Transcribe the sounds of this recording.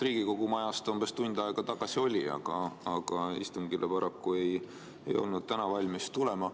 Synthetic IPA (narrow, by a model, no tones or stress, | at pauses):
riːɡ̥iko̞ɡ̥umɑjɑst̪omb̥est̪und̪̥ɑeɡ̥ɑt̪ɑɡ̥ɑsio̞lʲiɑ̰ɡ̥ɑ̰ːɡ̥ɑḭst̪uŋɡ̥ilʔepɑɾɑkːue̞j | ḛjo̞̰lnud̪̥̚t̪ænɑvɑlʲmist̪ule̞mɑ